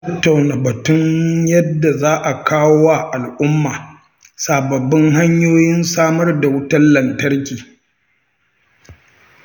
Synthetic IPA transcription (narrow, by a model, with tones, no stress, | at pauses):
tɐ˦tːa˨wnaː˨bɐ˨tʊ˦ɲjɐ˦dːa˨zaː˦ʔa˨kʰaː˦wo˦wa˦ʔa˨lʔʊ˦mːaː˨ | saː˨bɐ˨bːɪ˦ŋɦa˦ɲjoː˦jɪ˦nsaː˦mɐ˦rda˨wʊ˦tɐ˦nlɐ˨ntɐ˦rkʲiː˨